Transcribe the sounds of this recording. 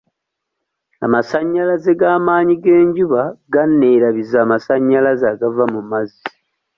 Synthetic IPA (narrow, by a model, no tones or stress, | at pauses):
a̰masaɲːalazeɡaːmaːɲiɡe̞ːɲɟuβaɡanːe̞ːɾaβizaːmasaɲːalazaɡavamumazi